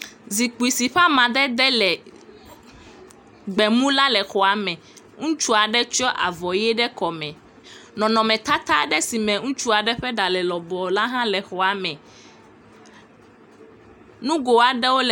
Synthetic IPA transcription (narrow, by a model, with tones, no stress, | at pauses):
zi˨k͡pu˨i˨si˨ɸa˦mã˨d̪ɛ˦d̪ɛ˦lɛ˨ | ɡ͡bɛ˨mũ˦la˦lɛ˨xɔ˨a˨mɛ̃˨ | ŋũ˦t͡ʃu˦a˨ɖɛ˦t͡ʃɔ˦ʔa˨vɔ˨jɛ˦ɖɛ˦kɔ˨mɛ̃˨ | nɔ̃˨nɔ̃˨mɛ̃˨t̪a˦t̪a˦ɖɛ˦si˨mɛ̃˨ŋũ˦t͡ʃu˦a˨ɖɛ˦ɸɛ˦ɖa˨lɛ˨lɔ˨bɔ˨la˦ɦã˦lɛ˨xɔ˨a˨mɛ̃˨ | nũ˦ɡo˨a˨ɖɛ˦wo˦lɛ˨